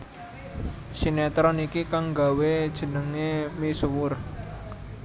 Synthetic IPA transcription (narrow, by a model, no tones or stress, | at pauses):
sinet̪ɾɔnikikaŋɡa̤wed̥ʒ̥ə̤nəŋemisuwʊr